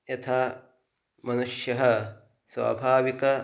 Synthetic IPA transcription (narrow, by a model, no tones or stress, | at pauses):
jɐt̪ʰaː | mɐnuʂjɐɦɐ | sʋa̰ːbʱaːʋikɐ